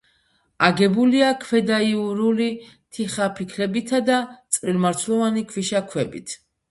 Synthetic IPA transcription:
aɡɛbuliakʰwɛd̪aiuɾuli | t̪ʰiχapʰikʰlɛbit̪ʰad̪at̪sʼvilmaɾt̪sʰlˠɔvanikʰwiʃakʰwɛbit̪ʰ

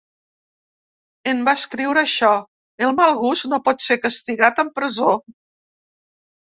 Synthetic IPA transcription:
embaskɾiwɾəʃɔ | elˠmalˠɣusnopɔt̪sekəst̪iɣat̪əmpɾəzo

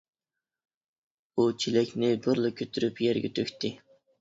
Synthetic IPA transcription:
ut͡ʃʰilɛkʲnɪbɨɾlˠɨkʲʰøt̪ʰyɾypjɛɾɡʲet̪ʰøkʲt̪ɪ

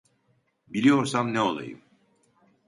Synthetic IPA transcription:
bilʲijoɾsamnɛo̰lˠa̰jɯ̰m

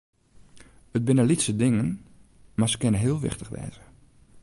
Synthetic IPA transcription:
ət̚bɪnəlitsədɪŋən | masə̥kɪnənɦɪəlˠʋɪ̰xtəχʋɛ̰ːzə

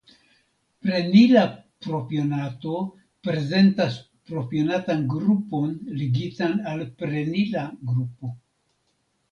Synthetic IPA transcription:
pɾe̞nila | pɾo̞pio̞nato̞ | pɾe̞ze̞ntas | pɾo̞pio̞natanɡɾupo̞nliɡitanalpɾe̞nilaɡɾupo̞

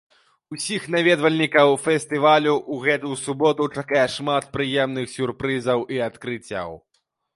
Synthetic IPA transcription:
usʲixnavʲɛd̪vɐlʲnʲikɐwfʲɛsʲt̪ɨvalʲuʔːɣɛt̪ujsubɔt̪ut͡ʂakajɛʂmat̪pɾɨjɛmn̪ɨxsʲurpɾɨzɐwʔiat̪kɾɨt͡sʲːɐ̰w

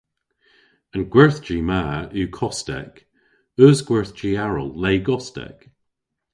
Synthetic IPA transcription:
ənɡ̥wɛɹθd͡ʒiːmaːʉːkʰɔstɛ̰k | œːzɡ̥wɛɹθd͡ʒiːaɹə̰lˠleːɡɔstɛ̰k

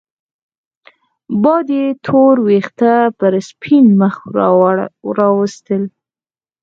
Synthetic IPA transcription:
bɑd̪et̪ʰoɾwext̪apəɾspʰinməx | ɾɑwəst̪əl

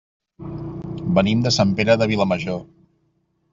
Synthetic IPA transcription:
bənimd̪əsampeɾəðəβ̞iləməʒo

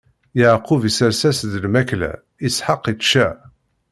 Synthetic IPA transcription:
jəʕqʊvisəɾsæsðəlmæklæ̰ | isħəqːit̪ʃæ

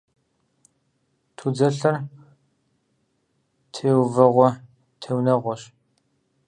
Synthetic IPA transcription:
tʰud͡zɐɬɐr | tʰeːwvɐʁʷɔ | tʰewnɐʁʷɔɕ

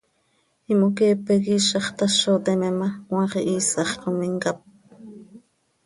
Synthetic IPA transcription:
imokeːpeɣiʃɑχt̪ɑʃot̪ememawɑχiʔiːsɑχqomiŋkap̚

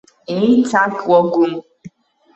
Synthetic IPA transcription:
nitakʷɔɡum̩

